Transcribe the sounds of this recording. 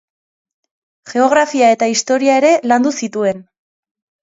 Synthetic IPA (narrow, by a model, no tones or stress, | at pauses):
ʝe̞o̞ɣɾafiae̞t̪aist̪o̞ɾiae̞ɾe̞land̪usit̪ue̞n